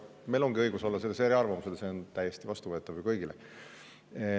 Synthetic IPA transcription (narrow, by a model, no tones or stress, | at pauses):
me̞jlo̞ŋɡ̥iɤjɡ̥uso̞lːɑselːeseːɾiɑrvɑmused̪seont̪æjest̪ivɑst̪uvɤ̞et̪ːˑɑvujkɤjɡ̥ile